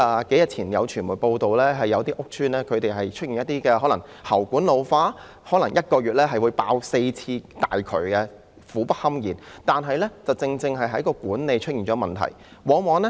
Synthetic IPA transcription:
ɐː˨˩ke˨˥jɐ˨t̚t͡sʰiː˨˩njɐ̰˨˧wt͡ʃʰyː˨˩muː˨˩jpo˧wt̪o˨˧wlɛː˥ɦɐ˨jːɐ˨˧wt̪iː˥ʔʊ˥k̚t͡ʃʰyː˥nlɛː˥kʰɵ˨˧t̪e˨jɦɐ˨jt͡ʃʰɵ˥t̚i˨˩njɐ˥t̪iː˥kɛː˧ɦɔː˨˥lɐ˨˩ŋ | hɐ˨˩wkuː˨˥nlo˨˧wfaː˥ | hɔː˨˥lɐ˨˩ŋjɐ˥t̚kɔː˧ɥyː˨t̚lɛː˥ɦɐ˨jwu˨˧jpaː˧wse˧jt͡sʰiː˧t̪aː˨jkʰɵ̰˨˩kɛ˧ | fuː˨˥pɐ˥t̚hɐ˥mjiː˨˩nt̪aː˨nɦɐ˨jlɛ˥t͡sɐ˨wt͡sɪ˧ŋt͡sɪ˧ŋɦɐ˨jɦɐ˨˥jkɔː˧kuː˨˥nne˨jt͡ʃʰɵ˥t̚jiː˨˩nt͡ʃɔː˨˥mɐ˨˩nt̪ʰɐ̰˨˩j | wɔː˨˧ŋwɔː˨˧nɛ˥

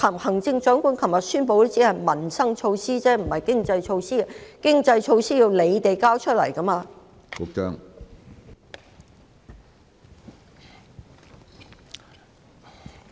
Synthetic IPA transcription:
kʰɐ˨˩mhɐ˨˩ŋt͡sɪ˧ŋt͡ʃœː˨˥ŋkuː˨˥nkʰɐ˨˩mjɐ˨t̚syː˥npo˨˧wo˥t͡siː˨˥hɐ˨jmɐ˨˩nsɐ˥ŋt͡ʃʰo˧wsiː˥t͡sɛː˥m̩˨˩hɐ˨jkɪ˥ŋt͡sɐ˧jt͡ʃʰo˧wsiː˥˨kɪ˥ŋt͡sɐ˧jt͡ʃʰo˧wsiː˥ji˧wle˨˧jt̪e˨jkaː˥wt͡ʃʰɵ˥lɐ̰˨˩jkɐ˥maː˧ | kʊ˨˥k̚t͡ʃœ̰ː˥ŋ

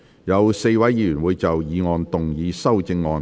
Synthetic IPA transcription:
jɐ˨˧wse˥˧jwɐ˨˥ji˧jyː˨˩nwuː˨˧jt͡sɐ˨wjiː˨˧ŋɔː˨˧nt̪ʊ˨ŋjiː˨˧sɐ˥wt͡sɪ˧ŋːɔː˨˧

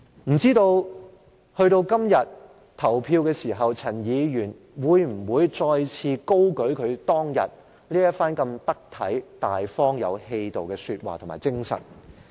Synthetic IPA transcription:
m̩˨˩t͡siː˥t̪o˧w | hɵ˧ɥt̪o˧wkɐ˥mjɐ˨t̚ | t̪ʰɐ˨˩wpʰiː˧wkɛː˧siː˨˩ɦɐ˨wt͡sʰɐ˨˩njiː˨˧jyː˨˩n | wuː˨˧jm̩˨˩wuː˨˧jt͡sɔː˧jt͡sʰiː˧ko˥wkɵ˨˥ɥkʰɵ˨˧ɥt̪ɔː˥ŋjɐ̰˨t̚ | liː˥jɐ˥t̚faː˥nkɐ˧mt̪ɐ˥k̚t̪ʰɐ̰˨˥jt̪a̰ː˨jfɔː˥ŋjɐ̰˨˧whe˧jt̪o˨wkɛː˧syː˧t̚wa̰ː˨t̪ʰma̰ː˨˩jt͡sɪ˥ŋsɐ̰˨˩n

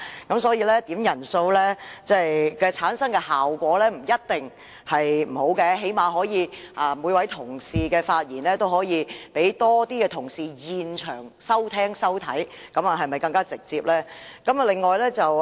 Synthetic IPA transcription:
kɐ˨˥msɔː˨˥jiː˧lɛː˥t̪iː˨˥mjɐ˨˩nso˧wlɛː˥t͡sɛː˥˩jkɛː˧t͡sʰaː˨˥nsɐ˥ŋkɛ˧haː˨˩wkʷɔː˨˥lɛː˥m̩˨˩jɐ˥t̚t̪ɪ˨ŋ | hɐ˨jm̩˨˩ho˨˥wkɛ˧ɦe˨˥jmaː˨ɦɔː˨˧˥jiː˨˧ʔaː˨muː˨˧˥jwɐ˨˥jt̪ʰʊ˨˩ŋsiː˨kɛː˧faː˧t̚jiː˨˩nlɛː˥t̪o˥whɔː˨˥jiː˨˧pe˨˥jt̪ɔː˥t̪iː˥kɛː˧t̪ʰʊ˨˩ŋsiː˨jiː˨nt͡ʃʰœ̰ː˨˩ŋsɐ˥wt̪ʰɛː˥ŋsɐ˥wt̪ʰɐ˨˥jkɐ˨˥mɐ˨ɦɐ˨jmɐ˨jkɐ˧ŋkaː˥t͡sɪ˨k̚t͡siː˧p̚lɛː˥kɐ˨˦mɐ˨lɪ˨ŋːɔː˨jlɛː˥t͡sɐ˨w

